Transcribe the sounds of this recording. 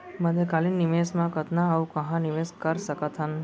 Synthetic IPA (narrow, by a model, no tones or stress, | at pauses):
məd̪ekalinːiʋesmãkət̪nãaʋũkəɦãniʋeskəɾsəkət̪ʰən